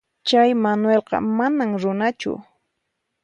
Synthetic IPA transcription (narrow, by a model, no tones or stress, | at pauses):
t͡ʃajmanwelqɑ̰manaŋɾʊnat͡ʃʊ̰